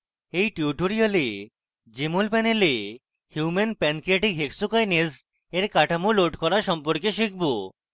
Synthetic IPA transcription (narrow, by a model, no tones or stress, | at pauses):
ejʈiuʈoɾiale | d͡ʑemolpɛnele | hjumenpɛnkɾeʈikɦeksukajnez | eɾkaʈʰamuloʈkɔɾaʃɔmpoɾkeʃikʰbo